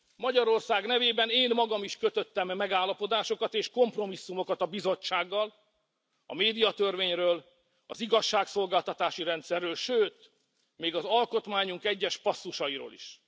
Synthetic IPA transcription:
mɒɟɒɾo̞rsaːɡnɛveːbɛneːnmɒɡɒmiʃkøt̪ø̞t̪ːɛmːɛɡaːlːɒpo̞d̪aːʃo̞kɒt̪eːʃko̞mpro̞misːumo̞kɒt̪ɒbizo̞t͡ʃːaːɡːɒl | ɒ̰meːd̪ijɒt̪ø̞rveːɲrøːl | ɒ̰ziɡɒʃːaːkso̞lɡaːlt̪ɒt̪aːʃiɾɛnt̪sɛrːøːlʃøːt̪ | meːɡɒzɒlko̞t̪maːɲuŋkɛɟːɛʃpɒsːuʃɒiɾo̰ːlḭʃ

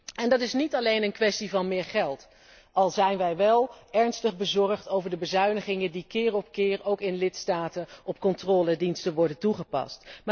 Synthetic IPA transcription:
ɛndɑtɪsnitɑlejnənkʋɛstivɑnmɪːɹχɛlˠt | ɑlˠzɛjnʋɛjʋɛlˠɛɹnstəχbəzɔɹχtowvəɹdəbəzœɥnəχɪŋəndikɪːrɔpkɪːrowkɪnlɪtstaːtənɔpkɔntrɔːlədinstəʋɔɹdəntuχəpɑ̰stm

